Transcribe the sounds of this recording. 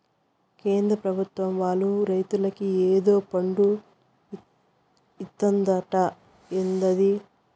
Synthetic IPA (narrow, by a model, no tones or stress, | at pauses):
ke̞ːnd̪ɾɐpɾɐbʱut̪ʋɐmʋaːlːuɾɐjt̪ulɐkieːd̪o̞ːpɐɳɖu | it̪ːɐnd̪ɐʈɐ | end̪ɐd̪i